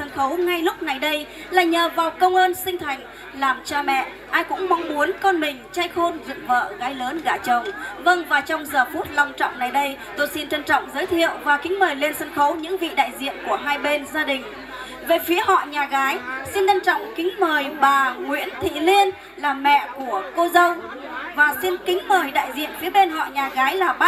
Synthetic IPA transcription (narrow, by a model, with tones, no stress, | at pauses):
ə˧nxə˨˦wŋa˧jlʊ˦˥k͡p̚na˨˩jɗə˧j | laː˨˩ɲəː˨˩vaː˨˩wkə˧wŋ͡mʔəː˧nsï˧ŋ̟t̪ʰa˨˩jŋ̟ | laː˨˩mt͡ɕaː˧mɛ̰˧˨ | ʔaː˧jkʊ̰˧˥ŋ͡mma˨˦wŋ͡mmu˨˦ənkɔ˧nmï˨˩ŋ̟t͡ɕa˧jxo˧nzɨ̰˧˨ŋvə̰ː˧˨ɣaː˨˦jləː˨˦nɣaː˧˩t͡ɕə˨˩wŋ͡mvə˧ŋvaː˨˩t͡ɕɔ˧wŋ͡mzəː˨˩fu˦˥t̚la˧wŋ͡mt͡ɕɔ̰˧˨wŋ͡mna˨˩jɗə˧j | t̪o˧jsi˧nt͡ɕə˧nt͡ɕɔ̰˧˨wŋ͡mzəː˨˦jt̪ʰḭ˧˨əwvaː˨˩kï˨˦ŋ̟məː˨˩jle˧nsə˧nxə˨˦wɲɨ̰˧˥ŋvḭ˧˨ɗa̰ː˧˨jzḭ˧˨ənku˧˩əɦaː˧jɓe˧nzaː˧ɗï˨˩ŋ̟ | ve˨˩fi˨˦əhɔ̰˧˨ɲaː˨˩ɣaː˨˦jsi˧nɲə˧nt͡ɕɔ̰˧˨wŋ͡mkï˨˦ŋ̟məː˨˩jɓaː˨˩ŋwḭ˧˥ənt̪ʰḭ˧˨li˧ən | laː˨˩mɛ̰˧˨ku˧˩əko˧zə˧wŋ͡m | vaː˨˩si˧nkï˨˦ŋ̟məː˨˩jɗa̰ː˧˨jzḭ˧˨ənfi˨˦ɓe˧nɦɔ̰˧˨ɲaː˨˩ɣaː˨˦jlaː˨˩ɓa˦˥